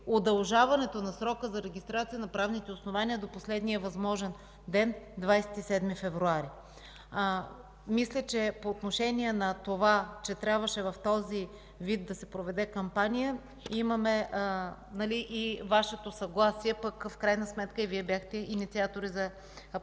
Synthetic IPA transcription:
od̪ɐlˠʒavɐnɛt̪onɐsɾɔkəzɐɾɛɡʲist̪ɾat̪sijənɐpɾavnit̪ɛosnovaniəd̪oposlɛd̪niəvɐzmɔʒɛn | d̪ɛnd̪vajsɛ̥t̪isɛd̪mifɛvɾuaɾi | mislʲət͡ʃɛpoːt̪noʃɛniɛnɐt̪ovat͡ʃɛt̪ɾʲabvəʃɛvɐft̪ɔzi | vid̪ːɐsɛpɾovɛd̪ɛkɐmpanijə | imɐmɛ | nɐliʔivaʃɛt̪osɐɡlˠasiɛpəkfkɾajnəsmɛt̪kəiviɛbjaxt̪ɛinit̪siat̪oɾizɐ

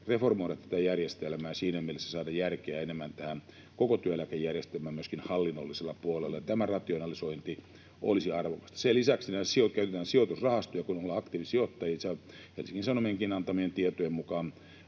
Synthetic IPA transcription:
reformoˑiɾɑt̪t̪æt̪æjærjest̪elmæːsiːnæmielesːæ̥sɑːdɑjjærkeæenemːænt̪æhæn | kokot̪yøelækejjærjest̪elmæːmyøskinhɑlːinːolːiselːɑpuolelːɑjɑt̪æmærɑt̪ionɑlisoint̪i | ʔo̰lisiɑrʋokɑ̥st̪ɑ̥selisæksinæsiot̪kæyt̪et̪æːnsiot̪usrɑhɑst̪ojɑkunolːɑɑkt̪iːʋisiot̪ːɑjiːsɑ | hḛlsiŋkinsɑnomieŋkinɑnt̪ɑmient̪iet̪ojemmukɑːn

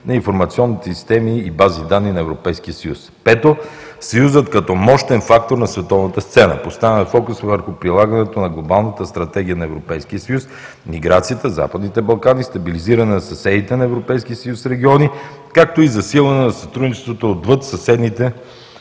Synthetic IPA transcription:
nɐinfoɾmɐt̪siɔnːit̪ɛsist̪ɛmiːbazid̪anːinɐɛvɾopɛjskiəsɐjuspɛt̪o | sɐjuzət̪kɐt̪ɔmɔʃt̪ɛnfak̚t̪oɾnɐsvɛt̪ɔvnət̪əst̪sɛnə̰post̪avɛnɐfɔkusvəɾxʊpɾilˠaɡənɛt̪onɐɡlˠobalˠnət̪əst̪ɾɐt̪ɛɡ̟ʲijənɐɛvɾopɛjsk̟iəsɐjus | miɡɾat̪sijət̪əza̰pəd̪nit̪ɛbɐlˠkanist̪ɐbiliziɾɐnɛnɐsɐsɛd̪it̪ɛnɐɛvɾopɛjsk̟iəsəjusɾɛɡʲiɔni | kak̚t̪oizɐsilˠvɐnɛnɐsɐt̪ɾud̪nit͡ʃɛ̥st̪vot̪oːd̪vɤt̪sɐsɛd̪nit̪ɛ

